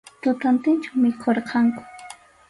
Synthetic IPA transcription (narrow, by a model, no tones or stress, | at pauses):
t̪ʊt̪ant̪ɪnt͡ʃawmɪkʰoɾqʰɑŋkʊ̥